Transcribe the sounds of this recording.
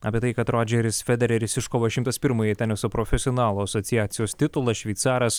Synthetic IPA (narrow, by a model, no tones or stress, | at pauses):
ɐːpʲiɛt̪ɐɪkɐt̪ɾoːd͡ʒʲɛɾʲɪsfʲɛd̪ʲɛɾʲɛɾʲɪsʲɪʃkoːʋɐʃʲɪmt̪ɐspʲɪɾmɐːjɛt̪ʲɛnʲɛsʊpɾoːfʲɛsʲɪɔnɑːlˠoːɐsoːt̪sʲɪjæːt̪sʲɪjoːst̪ʲɪt̪ʊlˠɐʃʲʋʲɛɪt̪sɑːɾɐs